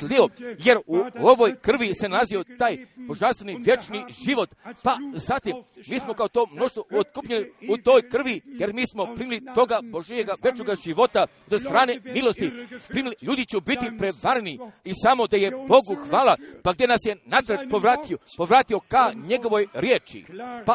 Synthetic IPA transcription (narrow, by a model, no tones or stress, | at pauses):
t̪lioje̞ɾuo̞ʋo̞jkr̩ʋise̞nazio̞t̪aːjbo̞ʒanst̪ʋeniʋje̞t͡ʃniʒiʋo̞t̪pazat̪imːiːsmo̞kaot̪o̞ːmno̞ʃt̪oot̪kupʎeniut̪o̞ːjkr̩ʋije̞ɾmiːsmo̞pɾiːmilit̪o̞ɡabo̞ʒieɡaʋe̞t͡ʃnoɡaʒiʋo̞t̪a | d̪ost̪ɾaːne̞milo̞st̪ipɾiːmiliʎuːd̪it͡ɕubit̪ipɾeʋaɾniisaːmo̞d̪ajebo̞ɡuxʋaːlapaɡd̪jenasje̞nat̪ɾet̪̚poʋɾat̪ipoʋɾaːt̪io̞kaɲe̞ɡo̞ʋo̞jɾje̞ːt͡ʃḭpa